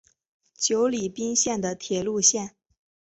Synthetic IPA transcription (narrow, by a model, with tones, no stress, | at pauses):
t͡ɕjo˧˥ʊli˨˩pi˥ŋɕjɛ˥˩nd̪ə˩t̪ʰjɛ˨˩lu˥˧ɕjɛ˥˩n